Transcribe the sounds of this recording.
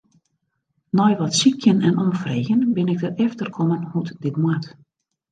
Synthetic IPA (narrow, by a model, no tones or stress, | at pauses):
nɔjʋɔtsikjənɛnɔmfreːɣənbɪnɪɡ̚dərɛftərkʰɔmənhutdɪtmwat